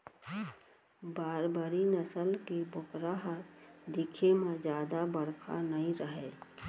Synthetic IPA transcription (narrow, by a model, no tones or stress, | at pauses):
baːɾbəɾinəsəlkibokɾaɦəd̪ɪkʰemãd͡ʒjaːd̪abəɽkʰa̰nəĩɾəɦɛ